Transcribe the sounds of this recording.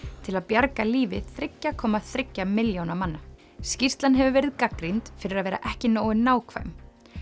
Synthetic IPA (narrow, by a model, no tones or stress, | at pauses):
t̪ʰɪlaðpjaɾkaliːvɪθɾɪcːakʰɔːmaðθɾɪcːamɪljownamanːa | scir̥t̪lanɦɛvʏvɛːɾɪðkakɾint̪fɪɾɪɾaðvɛːɾa̰ʔɛhcɪnoːwɪnaːwkʰv̥a̰m